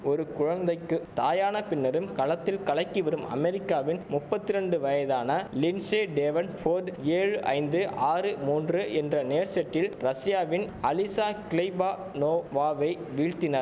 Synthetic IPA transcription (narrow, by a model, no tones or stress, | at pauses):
ɔɾɯkʊɻɐnd̪ɐɪkːɯt̪aːjaːnɐpɪnːɐɾɯmkɐlɐt̪ːɪlkɐɭɐɪkːɯʋɐɾɯmɐ̰mɛɾɪkːaːʋɪnmʊpːɐt̪ːɪɾɛɳɖɯʋɐjɐðaːnɐlɪnseːɖeːʋɐnfʰoːɾɖeːɻɯʔɐ̰ɪnd̪ɯʔaːrɯmuːndrɯʔɛndrɐneːɾsɛʈːɪlɾɐsɪjaːʋɪn | ɐlɪsaːkɪlɪbaː | noːʋaːʋɐɪ | ʋiːɻt̪ɪnɐɾ